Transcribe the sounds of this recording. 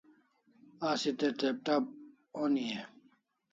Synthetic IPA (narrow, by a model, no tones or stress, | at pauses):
asit̪et̪ep̚t̪ab̚ | onie